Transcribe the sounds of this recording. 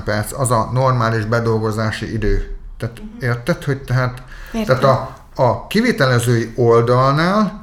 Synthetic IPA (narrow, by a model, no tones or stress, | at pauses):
pɛrt̪sɒzɒno̞rmaːliʒbɛd̪o̞lɡo̞zaːʃḭʔid̪øːt̪aːt̪eːrt̪ɛt̪ho̞ɟt̪ɛɦaːt̪ | t̪ɛːtt̪ɒ | ɒkiveːt̪ɛlɛzøːio̞ld̪ɒlnaːl